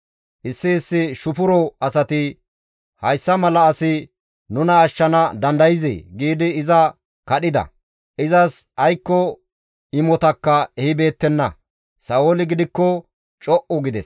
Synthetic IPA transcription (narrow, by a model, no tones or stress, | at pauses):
ʔɪsːɪːsːɪʃʊpʊɾɔɐsɐt̪ɪ | hɐjsːɐmɐlɐːsɪ | nʊnɐːʃːɐnɐd̪ɐnd̪ɐjɪzḛːɡiːd̪ɪːzɐ | kɐɗɪd̪ɐ̰ | ʔɪzɐsɐjkːɔ | ɪmɔt̪ɐkːɐɛhɪbe̞ːt̪ːɛnːɐ̰ | sɐɔlɪɡɪd̪ɪkːɔ | t͡ʃʼɔʔɔɡɪd̪ɛ̰s